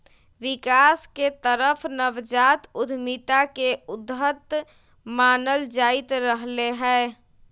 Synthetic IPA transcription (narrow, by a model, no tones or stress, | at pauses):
ʋɪkaːsket̪əɾəpʰnəʋd͡ʒaːt̪ʊd̪ʱmit̪akeʊd̪ɦət̪ | maːnəld͡ʒaːɪt̪ɾəɦleɦɛː